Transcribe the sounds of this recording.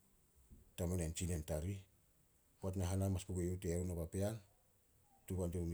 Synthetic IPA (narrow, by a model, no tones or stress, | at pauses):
tamanent͡ʃinentaɾi | puat̬naɦanamaspuɡejuwtewnaβapean | tuβandiɾum